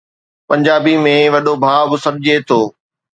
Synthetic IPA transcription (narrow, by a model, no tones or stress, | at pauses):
pɐ̃ɲd͡ʑaːbimẽʋɐɗobʱaːbʊsɐɾɪd͡ʑet̪ʰoː